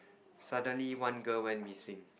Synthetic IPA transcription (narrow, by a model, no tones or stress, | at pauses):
sadə̃nliwãnɡəlwɛ̃nmisĩŋ